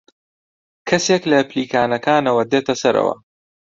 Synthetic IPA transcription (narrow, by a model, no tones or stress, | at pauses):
kʰɐseklɐpliːkaːnɐkʰaːnɐwɐd̪eːt̪ɐsɐɾɐ̰wɐ̰